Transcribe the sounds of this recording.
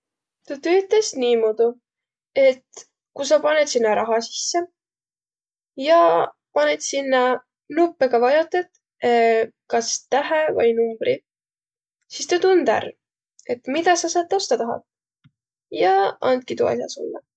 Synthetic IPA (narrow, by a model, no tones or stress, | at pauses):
t̪ɑt̪øːt̪ːˑesniːmod̪̥u | e̞t̪ | kus̬ɑpɑnet̪sinːɑɾʔɑɦɑsi̥sːe | jɑ | pɑnet̪sinːɑ | nupːeɡɑvɑjot̪ːˑed̪ | kɑst̪æɦevɤ̰jnumb̥rʔi | sist̪ɑt̪und̪̥æ̰r | e̞t̪mid̪ɑsɑsɑt̪ːˑost̪ɑt̪ɑɦɑ̰d̪̥̚ | jɑɑ̰nd̪̚kit̪ṵɑ̰sjɑ̰so̰lːɑ